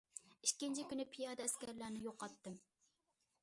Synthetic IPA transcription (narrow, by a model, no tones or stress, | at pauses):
iʃkʲɪnt͡ʃʰikʲynɪpʰijɑːd̪ɛɛskʲɛɾlæɾnɪjoqːɑt̪ːɨm